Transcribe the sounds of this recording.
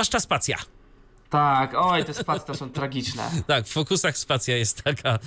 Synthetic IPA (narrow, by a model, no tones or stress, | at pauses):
aʂt͡ʂaspat̪sʲja̰ | t̪akɔjt̪ɛspat̪ʲɛt̪ɔsɔ̃w̃t̪ɾaɡʲit͡ʂnɛ̰t̪akffɔkusaxspat̪sʲjajɛst̪ːakʰa